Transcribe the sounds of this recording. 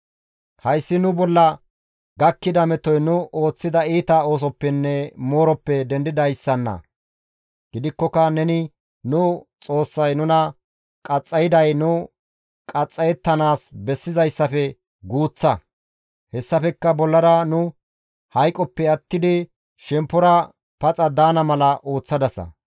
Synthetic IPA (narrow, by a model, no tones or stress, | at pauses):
hɐjsːɪnʊbɔlːɐ | ɡɐkːɪd̪ɐmɛt̪ɔjnʊʔo̞ːt͡sːɪd̪ɐiːt̪ɐo̞ːs̬ɔpːɛnːɛmo̞ːɾɔpːɛd̪ɛnd̪ɪd̪ɐjsːɐnːɐ̰ | ɡ̥ɪd̪ɪkːɔkɐnɛnɪ | nʊt͡sʼo̞ːsːɐjnʊnɐ | kʼɐt͡sʼːɐjɪd̪ɐjnʊ | kʼɐt͡sʼːɐjɛt̪ːɐnaːsbɛsːɪzɐjsːɐfɛ | ɡuːt͡sːɐ | hɛsːɐfɛkːɐbɔlːɐɾɐnʊ | hɐjkʼːɔpːɛɐt̪ːɪd̪ɪ | ʃɛmpːɔɾɐ | pɐt͡sʼɐd̪aːnɐmɐlɐʔo̞ːt͡sːɐd̪ɐsɐ̰